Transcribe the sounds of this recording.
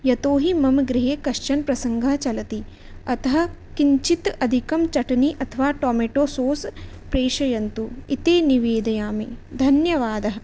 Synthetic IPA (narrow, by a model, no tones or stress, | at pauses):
jɐt̪oːɦimɐmɡɾɪɦeːkɐʃt͡ʃɐnpɾɐsɐŋɡʱɐɦt͡ʃɐlɐt̪i | ɐt̪ɐɦɐ̆ | kiɲt͡ʃit̪ɐd̪ʱikɐmt͡ʃɐʈɐniʔɐt̪ʰɐʋaːʈoːmeːʈoːsoːs | pɾeːʃɐjɐnt̪uit̪eːniʋeːd̪ɐjaːmid̪ʱɐnjɐʋaːd̪ɐɦɐ̆